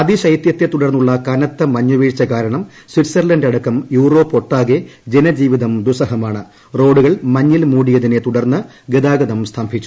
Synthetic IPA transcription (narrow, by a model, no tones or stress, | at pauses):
ɐd̪iɕɐjt̪jɐt̪ːet̪uɽɐrnːuɭːɐkɐnɐt̪ːɐmɐɲːuʋiːɻt͡ɕːɐkaːɾɐɳɐm | swiʈsɐrlɐndɐɽɐkːɐmjuːro̞ːpːo̞ʈːaːɡed͡ʑenɐd͡ʑiːʋiðɐmd̪usɐɦɐmaːɳɨ | ro̞ːɽuɣɐɭmɐɲːilmuːɽijɐðine̞t̪uɽɐrnːɨ | ɡed̪aːɡɐðɐmst̪ʰaːmbʱit͡ɕːu̥